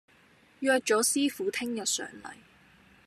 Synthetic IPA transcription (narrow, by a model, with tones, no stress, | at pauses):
jœː˨˧t̚t͡ʃɔ˨˥siː˥fuː˨˥t̪ʰɪ˥ŋjɐ˨t̚sœ̰ː˨˩ŋlɐ̰˨˩j